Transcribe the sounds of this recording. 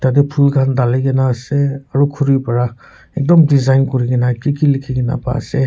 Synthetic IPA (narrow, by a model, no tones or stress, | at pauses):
tadɛpʰulkʰandalajɡɛnaːsɛaɹukʰuɹipaɹa | ɛk̚dɔmdizajnkɔɹiɡɛnakikilikʰiɡɛna̰pa̰a̰sɛ